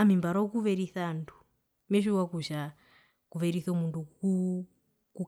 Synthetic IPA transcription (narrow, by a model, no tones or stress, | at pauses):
amimbaɾɔkuβɛɾiθandu | mɛʃuwakuʃa | kuβɛɾiθɔmunduu | ku